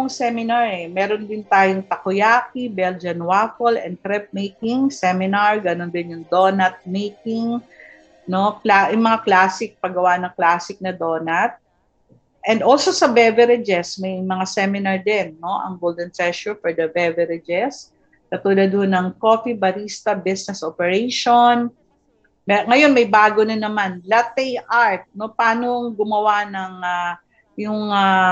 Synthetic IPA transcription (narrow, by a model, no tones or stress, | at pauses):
ʊŋsɛmɪnaɹɛmɛɾond̪ɪnt̪aːjoŋt̪ɐkʊjaːkibɛld͡ʒɐnwafolɛ̰nd̪̚kɾɛp̚mejkɪŋsɛmɪnaɹɡɐnond̪ɪnjʊŋd̪oːnɐt̪̚mejkɪŋ | no̞klajʊŋmɐŋaklaːsɪk̚pɐɡɐwanɐŋklaːsɪk̚nɐd̪oːnɐt̪̚ | ʔɛnd̪olsosɐbɛvɛɾɛd͡ʒɛsmɐjmɐŋasɛmɪnɐɹd̪ɛnːo̞ʔɐ̰ŋɡold̪ɛnt̪ɹɛʃʊɹfɔɹd̪ɐbɛvɛɾɪd͡ʒɛs | kɐt̪uːlɐd̪̚honɐŋkoːfibɐɾist̪ɐbɪsnɛsʔopɛɹejʃon | mɛŋɐjo̞nmɐjbaːɡonɐnɐmanlɐt̪ɛjʔaɹt̪̚no̞paːnoŋɡʊmɐwanɐŋa | jʊŋa